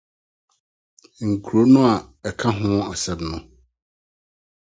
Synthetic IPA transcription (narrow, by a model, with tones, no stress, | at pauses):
ŋ̩˨kʰu˨ɾo˦nʊ̃˦a˨ɛ˨kʰa˦ɦʊ̃˦a˨sɛ˨bnʊ̃˨˦